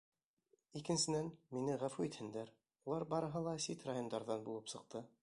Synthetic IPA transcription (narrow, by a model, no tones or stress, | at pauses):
ikɘ̆nsɘ̆nænminɘʁæfʉit̪hɘ̆nd̪æɾ | ulˠɑɾbɑɾɤ̆ɦɤlˠɑsit̪rajo̞nd̪ɑɾðɑnbulˠɤpsɤ̆q̚t̪ɤ